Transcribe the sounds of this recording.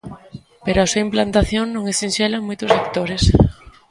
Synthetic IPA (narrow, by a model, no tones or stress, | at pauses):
peɾoasuaimplant̪aθjoŋnõŋesinʃelamojt̪ʊsakt̪oɾes